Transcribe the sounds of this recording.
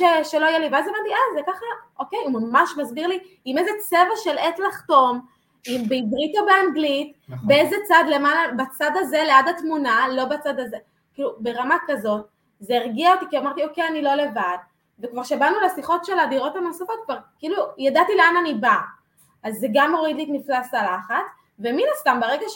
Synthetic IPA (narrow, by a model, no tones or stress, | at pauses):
eʃeloajelivazevadiazekaχaʔokejmamaʃmazbiʁli | imezet͡se̞vaʃeletlaχto̞m | imbeibʁitobeanɡlit | beezet͡sadlemalabat͡sadazeleadatmunalo̞bat͡sadaze̞ | kiːlube̞ʁamakazo̞t̚ | zeeʁɡiaot̪ikiamaʁtiokejanilo̞le̞vad | ve̞kvaʁʃabanulesiχo̞tʃe̞ladiʁo̞thano̞safo̞t̪̚kvaʁkiilujadatileananiba | azːeɡamːo̞ʁid̪litniflaslalaχat͡s | veminastambaʁeɡaʃ